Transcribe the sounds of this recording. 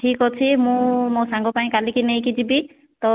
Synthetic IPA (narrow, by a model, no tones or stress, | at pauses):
ʈʰikɦɔt͡ʃʰimũmõsãŋɡɔpaĩkalikinəĩkid͡ʒibi | t̪ɔ